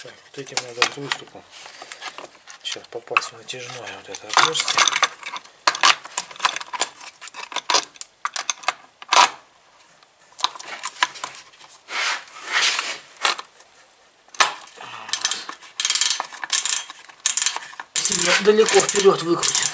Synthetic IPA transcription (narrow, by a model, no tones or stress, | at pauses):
sʲoot̪ɛtʲɪmnad̪ət̪vɨst̪ʊpʊ | ɕaspɐpasʲnətʲɪʐɨnojəvot̪ɛt̪əɐt̪orsʲt̪ʲɪ | sʲilʲnəd̪əlʲɪkofpʲɪɾʲo̞t̪vɨkɾʊtʲɪ